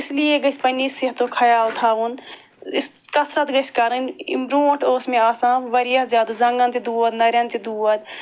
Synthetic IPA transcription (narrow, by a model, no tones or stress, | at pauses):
ɪslijeɡɐsʲpɐnisiɦt̪okʰɐjaːlt̪ʰaːʋun | skɐsɾɐt̪ɡɐsʲkɐɾɐn̰mɾoːɳʈʰoːsmẽaːsãːʋɐɾijazʲaːd̪azɐŋɡɐ̃nt̪id̪uːɐd̪nɐɾjɐ̃nt̪id̪uːɐd̪